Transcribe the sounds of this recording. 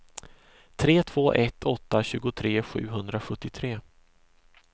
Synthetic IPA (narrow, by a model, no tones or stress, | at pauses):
t̪ʰɾeːt̪ʰv̥oːʔɛt̪ʰːɔt̪ːaɕʉ̟ːɡʊt̪ʰɾeːɧʉ̟ːɦɵnd̪ɾaɧɵt̪ːɪt̪ʰɾeː